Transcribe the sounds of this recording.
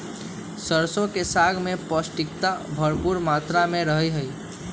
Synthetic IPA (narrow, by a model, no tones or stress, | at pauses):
səɾsõkesaɡʱmepəsʈik̚t̪abʱəɾpuɾmat̪ɾameɾəɦəjɦəj